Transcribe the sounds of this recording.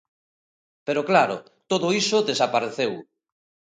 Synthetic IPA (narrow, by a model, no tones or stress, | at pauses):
peɾoklaɾo̰ | t̪oðʊisʊðesapaɾeθew